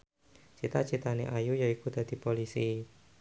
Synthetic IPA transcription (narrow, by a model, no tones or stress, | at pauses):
t͡ʃit̪at͡ʃit̪aneʔajujaikud̪̥a̤d̪̥i̤polisi